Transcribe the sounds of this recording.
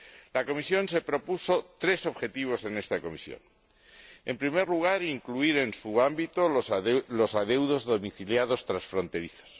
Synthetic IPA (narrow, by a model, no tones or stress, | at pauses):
lako̞misjõ̞nse̞pɾo̞pusot̪ɾe̞so̞βxe̞t̪iβ̞o̞se̞nest̪ako̞mḭsjo̰ŋ | e̞mpɾimeɾluɣ̞aɾiŋkluiɾe̞nsuambit̪olosaðe̞wðo̞zðo̞miθiljað̞o̞st̪ɾansfɾont̪e̞ɾiθo̥s